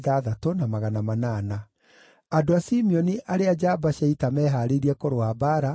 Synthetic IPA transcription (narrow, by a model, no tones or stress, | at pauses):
ðaːðatonamaɣanamanaːna | adoasimiɔniʔaɾead͡ʒabaʃaitamɛːɦaɾeɾiɛkoɾoabaːɾa